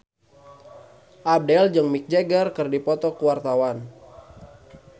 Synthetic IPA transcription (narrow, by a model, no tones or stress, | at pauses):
ʔab̚dɛld͡ʒəŋmik̚d͡ʒeɡərkɨrdipɔt̪ɔkuwart̪awan